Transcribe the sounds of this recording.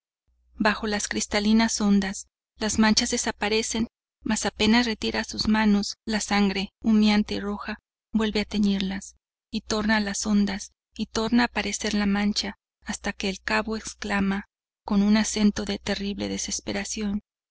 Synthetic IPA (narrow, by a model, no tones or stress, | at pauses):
baxo̞laskɾist̪alinaso̞nd̪as | lazmãnt͡ʃazðe̞sapaɾese̞n | masape̞nasre̞t̪iɾasuzmano̞slasaŋɡɾe̞umjant̪eiro̞xa | bwe̞lβe̞at̪e̞neɾlas | it̪o̞ɾnalaso̞nd̪as | it̪o̞ɾnaːpaɾe̞se̞ɾlamãnt͡ʃaː | st̪ake̞ːlkaβo̞eksklama | ko̞nunase̞nt̪o̞ðe̞t̪e̞riβleðe̞se̞spe̞ɾasjo̞n